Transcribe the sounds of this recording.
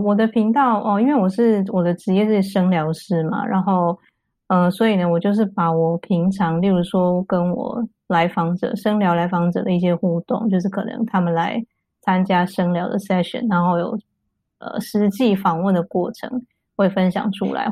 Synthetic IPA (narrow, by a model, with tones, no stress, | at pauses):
wɔ˨˩d̪ə˦pʰi˧˥ŋt̪ɑ˥˩ʊʔə˧i˥nwe˥˩ɪwɔ˨˩ʂɻ̩˥˩wɔ˨˩d̪ə˧˦ʈ͡ʂɻ̩˧˥jɛ˥˧ʂ̩˥˩i˨˩ʂɤ˥ŋljɑ˧˥ʊʂɻ̩˥ma̰˩ɻa̰˧˥nxo˥˩ʊ | ə˧swɔ˧˥i˨˩nə˩wɔ˨˩t͡ɕjo˥˧ʊʂ̬ɻ̩˥˩pa˨˩wɔ˨˩pʰi˧˥ŋʈ͡ʂʰɑ˧˥ŋli˥˩ɻu˧˥ʂwɔ˥kə˦nwɔ̰˨˩ | la˧˥ɪfɑ˧˥ŋʈ͡ʂɤ̰˨˩ʂə˥ŋljɑ˧˥ʊla˧˥ɪfɑ˧˥ŋʈ͡ʂɤ̰˨˩d̪ə˦i˥˩ɕjɛ˦˥xu˥˧t̪ʊ˥˨˩ŋt͡ɕjo˥˧ʂɻ̩˥˩kʰɤ̰˨˩nɤ̰˧˦ŋt̪ʰa˥mə˨nla˧˦ɪ | t͡sʰa˥nt͡ɕja˥ʂɤ˥ŋljɑ˧˥ʊd̪ə̰˨sɛ˥ʂə̰˨˩˦nɻa˧˥nxo˥˩ʊjo̰˨˩ʊ | ə̰˨˩ʂɻ̩˧˥t͡ɕi˥˩fɑ˨˩ŋwə˥˩nd̪ə˩kwɔ˥˩ʈ͡ʂʰɤ̰˧˥˦ŋ | xwe˥˩ɪfə˦nɕjɑ̰˨˩ŋʈ͡ʂʰṵ˥la̰˧˦ɪ